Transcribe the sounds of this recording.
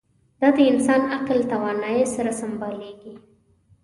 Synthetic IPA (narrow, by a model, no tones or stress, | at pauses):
d̪ɑd̪əɪnsɑnaqlt̪awɑnɑjesaɾasambɑleɡi